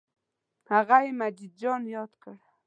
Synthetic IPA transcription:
haɣajmad͡ʒɪd̪̚d͡ʒonjɑt̪kaɾ

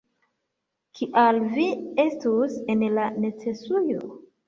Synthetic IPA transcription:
kʰiʔalviestuse̞nlanet͡se̞sujo̰

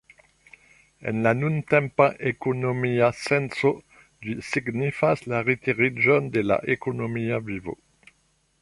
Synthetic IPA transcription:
ɛ̰nlanunt̪ɛ̃mpãʔekonomiasɛ̃nso | d̪ysiɡnifaslaʁit̪iʁiʒɔnd̪əla̰ʔekonomiavivo̰

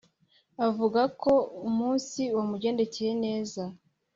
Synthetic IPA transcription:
avuɡako̞umuːnsiwamuɟe̞ːnde̞ceje̞ne̞ːza

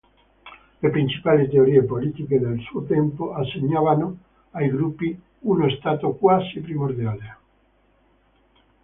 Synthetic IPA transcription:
lepɾint͡ʃi̥palit̪eoɾiepolit̪iked̪elsuot̪ɛmpoaseɲaβano | ajɡɾupi | unoest̪at̪okwasipɾimoɾd̪jale

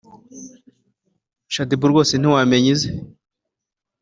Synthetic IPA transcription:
ʃadibuɾɡo̞ːsen̥iwameɲize

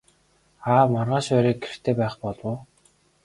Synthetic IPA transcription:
aːmarʁaːʃæɾiːk̚ɡer̥t̪ʰeːpæːχpɔɮwʊː

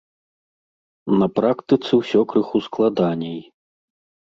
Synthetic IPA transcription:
nɐpɾakt̪ɨt̪sɨwsʲɔkɾɨxusklˠad̪anʲɛj

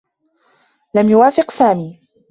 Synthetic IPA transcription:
lamjʊwaːfɪqsaːmiː

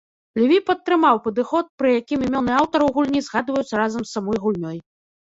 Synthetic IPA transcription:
lʲvʲipɐt̪ːɾɨmawpɐd̪ɨxɔt̪̚pɾɨjakʲimimʲɔnɨawt̪ɐɾɨwɣulʲnʲizɣad̪vɐjut̪sɐɾazɐmsːamɔjɣulʲnʲɔj

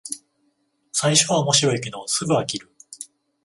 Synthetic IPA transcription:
saiɕo̞βaomo̞ɕiɾo̞ikʲino̞sɨɡɯ̟akʲiɾɯ̟

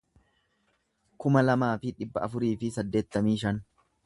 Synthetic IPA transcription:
kʊmɐlɐmaːfɪᶑɪbːɐɐfʊɾiːfɪsɐd̪ːe̞ːt̪ːɐmiːʃɐn

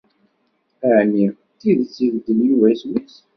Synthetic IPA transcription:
əʕni | t̪iðt͡sːiɡd̪əljuvæswis

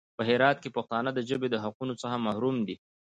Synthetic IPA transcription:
pəɦɪɾɑt̪̚kepaxt̪ɑnəd̪əʒəbed̪əɦaqunot͡səxamahɾumd̪i

